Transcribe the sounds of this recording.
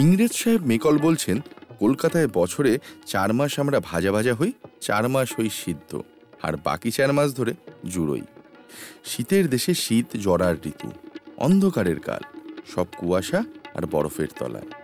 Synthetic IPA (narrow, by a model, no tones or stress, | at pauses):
iŋɾed͡ʑʃaɦebmekɔlbolt͡ɕʰenkolkat̪aebɔt͡ɕʰoɾet͡ɕaɾmaʃamɾabʱad͡ʑabʱad͡ʑaɦojt͡ɕa̰ɾmaʃɦojʃid̪ʱːo̰ | a̰ɾba̰kit͡ɕaɾmaʃ̬d̪ʱoɾed͡ʑuɾo̰j | ʃit̪eɾd̪eʃeʃit̪d͡ʑɔɽaɾɾḭt̪ṵɔ̰nd̪ʱokaɾeɾka̰lʃɔb̚kuaʃaa̰ɾbɔ̰ɾofḛɾt̪ɔ̰la̰e